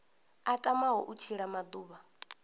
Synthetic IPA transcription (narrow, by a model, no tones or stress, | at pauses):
atʼamaɦɔʔut͡ʃʰiɺamad̪uːβa